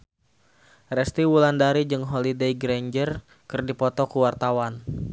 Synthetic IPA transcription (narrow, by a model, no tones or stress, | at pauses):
rɛst̪iwulandaɾid͡ʒɨŋɦɔlidejɡɾaɲd͡ʒər | kɨrdipɔt̪ɔkuwart̪awan